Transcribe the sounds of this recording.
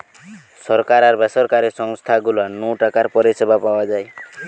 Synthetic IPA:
sɔɾkaɾaɾbɛsɔɾkaɾesɔŋst̪ʰaɡulanɔʈakaɾpɔɾesebʱapawad͡ʒaj

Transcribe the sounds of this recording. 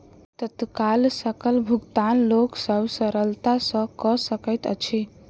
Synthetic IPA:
t̪ət̪kalsəkəlbʱuɡt̪anloksəbsəɾəlt̪asə̃kəsəkəjt̪ə̰t͡ʃʰi

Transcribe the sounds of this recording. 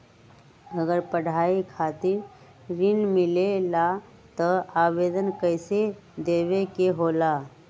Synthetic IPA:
əɡəɾpəɽ̤aikʰat̪iɾ | ɾinmilela | t̪əaːʋed̪ənkəjsed̪eʋekeɦola

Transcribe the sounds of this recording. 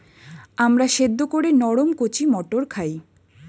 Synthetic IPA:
amɾaʃed̪ːokoɾenɔɽomkot͡ɕimɔʈoɾkʰaj

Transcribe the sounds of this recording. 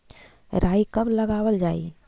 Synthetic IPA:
ɾaːikɐbləɡaːwəld͡ʒaːḭ

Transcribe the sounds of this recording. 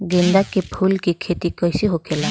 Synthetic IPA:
ɡind̪akepʰulkikʰet̪ikɔjsiɦokʰela

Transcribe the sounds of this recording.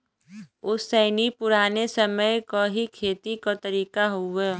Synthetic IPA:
ʊsːəɪnipʊɾaːnesəməjkaɦikʰeːt̪ikat̪əɾiːkaɦoɛː

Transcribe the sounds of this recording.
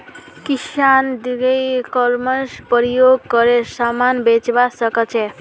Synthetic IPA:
kisand̪iɡejkʌlmʌspəɾjoɡ̚kʌɾesamanbet͡ʃbasʌkʌt͡ʃʰe

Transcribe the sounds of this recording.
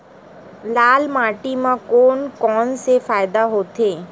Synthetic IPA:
laːlmaːʈimãkoːnkɔːnsefaːɪd̪aɦoːt̪eː

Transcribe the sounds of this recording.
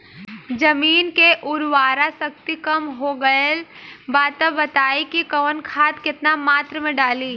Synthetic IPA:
d͡ʒɐmiːnkeʔʊɾwaːɾasɐk̚t̪ikɐmɦoːɡɐelbaːt̪əbɐt̪aːikikɐːnkʰaːt̪kɪt̪namaːt̪ɾəmẽɖaːliː

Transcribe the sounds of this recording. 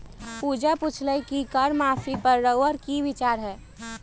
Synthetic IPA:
puːd͡ʒapʊt͡ʃʰləjkikəɾmaːfʰipəɾːəʋəɾkiʋɪt͡ʃaːɾɦɛː

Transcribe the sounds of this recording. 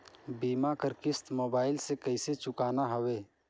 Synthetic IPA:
biːmakəɾkɪst̪moːbaːɪlsekəɪset͡ʃʊkaːnaɦɐweː

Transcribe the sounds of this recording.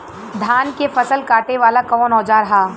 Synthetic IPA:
d̪ʱaːnkefɐsəlkaːʈeʋaːlakɔːnɔːd͡ʒaɾɐɦaː

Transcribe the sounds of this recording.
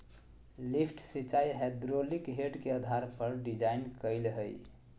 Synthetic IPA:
lipʰʈsit͡ʃaiɦɛd̪ɾolikɦeɖkeəd̪ʱaɾpəɾɖid͡ʒainkəɪlɦəj

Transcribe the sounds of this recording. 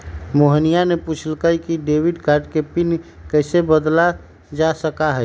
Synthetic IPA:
moɦənijaneput͡ʃʰəlkəikiɖeːwiɖkaɾʈkepɪnkəɪsebəd̪la | d͡ʒasəkaɦɛ

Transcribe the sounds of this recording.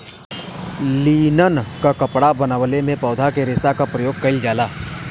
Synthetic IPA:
liːnənkakɐpɽabɐnaʋəlemẽpɔːd̪ʱakeɾeːsakapɾɐjoːɡ̚kɐild͡ʒaːlaː

